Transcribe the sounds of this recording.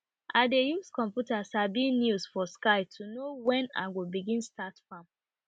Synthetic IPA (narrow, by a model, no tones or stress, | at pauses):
ʔaɪdejuskɔ̃mpjutasabinjusfɔskaɪtʰunowɛ̃na̰ɪwibiɡĩnstatfãm